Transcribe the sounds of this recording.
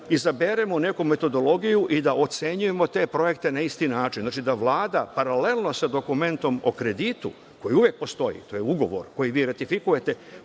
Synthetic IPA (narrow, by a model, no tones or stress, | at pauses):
izabeɾe̞mo̞ne̞kume̞t̪o̞d̪o̞lˠo̞ɡijuʔid̪aʔo̞t̪se̞ɲuje̞mo̞t̪e̞ːpɾo̞je̞kt̪e̞naist̪inaːt͡ʃinzaːt͡ʃid̪aʋlˠaːd̪apaɾale̞lˠno̞sad̪o̞kume̞nt̪o̞mo̞̰kɾe̞d̪iːt̪ṵ | ko̞jiuʋje̞k̚po̞st̪o̞jḭt̪o̞jeuɡo̞ʋo̞̰ɾko̞jiʋiːɾet̪ifikuje̞t̪e̞